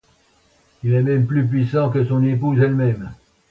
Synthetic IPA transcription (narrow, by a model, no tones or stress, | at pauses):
ilɛmɛmplyp̬ɥisɑ̃kəsɔ̃nep̬uzɛlmɛm